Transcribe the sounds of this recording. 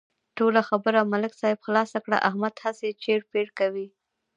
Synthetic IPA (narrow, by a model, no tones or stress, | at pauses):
ʈolaxabəɾamalɪksɑhɪbxlɑsakɽa̰ʔahmad̪haset͡ʃeɽpeɽkawi